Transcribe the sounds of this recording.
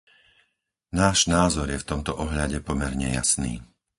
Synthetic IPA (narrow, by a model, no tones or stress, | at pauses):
naːʒnaːzɔɾjɛft̪ɔmt̪ɔʔɔɦʎaɟɛpɔmɛɾɲɛ̰ja̰snḭː